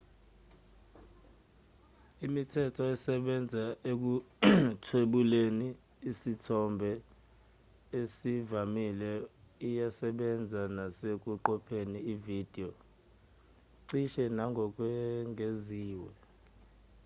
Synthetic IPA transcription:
imitʰɛtʰɔɛsɛɓɛnd͡zʱaek̬utʰweɓuleniː | sitʰɔmbʱɛ | esivamilɛijasɛɓɛnd͡zʱanasek̬ʼuǃɔpʰeniːvid̥ʱiɔ | ǀiʃɛnaŋɡʱɔk̬ʼwɛŋʱeziːwɛ

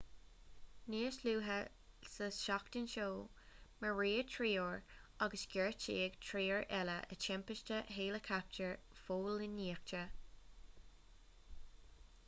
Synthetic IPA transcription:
niːəsluːɦə | səʃɑktɪnʃoːməɹiːətʰɹiːoɹɑɡəsɡ̥ɛɹt͡ʃiːɡtʰɹiːəɹʔɛləʔə̰t͡ʃʰɛmpɪʃtəɦeːləkʰap̚t͡ʃəɹfoːlɪnːiːək̚t͡ʃə

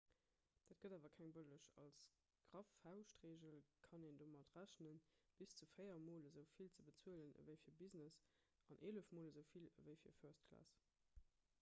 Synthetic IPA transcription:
d̥aːt̚ɡ̥ədaːvɐkʰæŋbələʃɑ̰ls | ɡ̥ʁɑfhaʊʃtʁeːʑəlkʰɑneːndoːmɑtʁæɕnənb̥ist͡sufəɪɐmoːləzəʊfilt͡səbət͡suələnə̰vəɪfiːɐbiznəs | ɑnʔeːləfmoːləzəʊfilə̰vəɪfiːɐføɐstkʰlɑ̰ːs

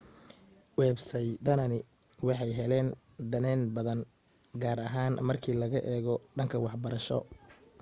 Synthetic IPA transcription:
wɛːbsɛjd̪ɐnɐnɪ | wɑħɑjɦɛlɛːn | d̪ɐnɛːnbɐðɐn | ɡaːɾɐɦaːnmɐrkʰiːlɐɣɐʔɛːɣɔɖɐŋkʰɐwɑħbɐɾɐʃɔ̰

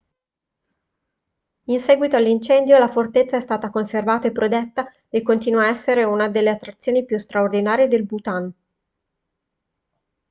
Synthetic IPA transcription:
insɛːɡwit̪oalːint͡ʃɛnd̪jolafort̪et̪sːaɛst̪aːt̪akonservaːt̪aepːɾod̪ɛt̪ːa | ekːont̪iːnuaɛsːeɾeunad̪elːeat̪ːɾat̪sːjoːnipjust̪ɾaord̪inaːɾjed̪elbut̪an

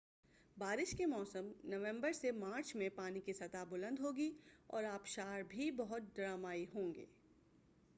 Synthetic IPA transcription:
baːɾɪʃkemɔːsəmnɐʋɛ̃mbəɾsemaːɾt͡ʃmẽpaːnikisɐt̪abʊlə̃nd̪ɦoːɡiɔ̰ːɾaːpʃaːɾbʱibɐɦʊt̪̚d̪ɐɾaːmaːiɦõːŋɡḛː

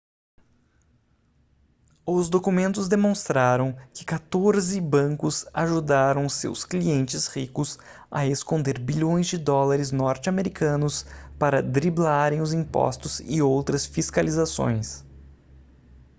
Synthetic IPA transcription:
ʊzd̪okumẽnt̪ʊzd̪emõst̪ɾaɾɐ̃w̃kɪ̥kat̪oɾzɪbɐ̃ŋkʊsaʒud̪aɾɐ̃w̃sḛwskliẽnt͡ʃɪshikʊs | ɐ̰eskõnd̪eɾbiʎõj̃zd͡ʒɪd̪ɔlaɾɪznɔɾt͡ʃɪameɾikʰɐ̃nʊspaɾɐd̪ɾiblaɾẽj̃ʊzĩpɔ̰st̪ʊzɪ̰owt̪ɾɐsfiskalizasõ̰j̃s

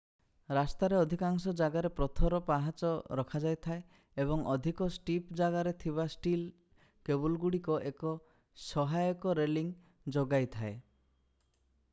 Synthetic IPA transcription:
ɾast̪aɾeɔd̪ʱikaŋsɔd͡ʒaɡaɾepɾɔt̪ʰɔɾɔpaɦat͡ʃɔɾɔkʰad͡ʒajt̪ʰae | ebɔŋʔɔd̪ʱikɔsʈipd͡ʒaɡaɾet̪ʰiβasʈil | kebulɡuɽikɔʔekɔ | sɔɦajɔkɔɾeliŋ | d͡ʒoɡajt̪ʰae

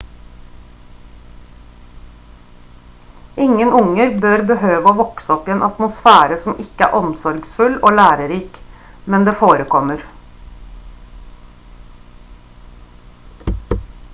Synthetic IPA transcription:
ɪŋənʊŋəɾbøːɾbəhøːʋəoːʋɔksəɔpɪeːnʔɑt̪mʊsfæːɾəsɔmʔɪkəæ̰ːɾʔɔmsɔɾɡsfʉloːlæːɾəɾiːk | mɛnd̪eːfoːɾəkʰɔməɾ

